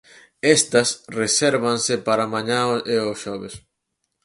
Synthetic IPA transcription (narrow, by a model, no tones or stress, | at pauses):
est̪ɐsresɛɾβansepaɾamãɲaeoʃoβ̞es